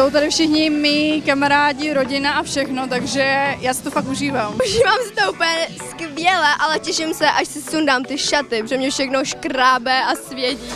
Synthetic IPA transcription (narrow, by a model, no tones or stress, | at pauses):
sowt̪adɪfʃɪxɲɪmikamaɾaːɟɪɾoɟɪnaʔafʃɛxnot̪aɡʒɛjaːsɪ̥t̪ofakuʒiːvaːmʔuʒiːvaːmsɪ̥t̪oupɲɛskvjɛlɛʔalɛcɛʃɪmsɛʔaʃsɪsundaːmt̪ɪʃat̪ɪbrɛmɲɛfʃɛxnoʃkɾaːbɛʔasvjɛci